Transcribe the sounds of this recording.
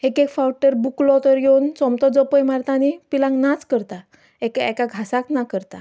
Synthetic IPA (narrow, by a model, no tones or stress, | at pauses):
ekekfawʈəɾbuklɔt̪əɾjewnt͡sɔmt̪ɔd͡zɔpəjmaɾt̪ãnipilãŋknat͡skəɾt̪a | ekɛkaɡʱasaknakəɾt̪a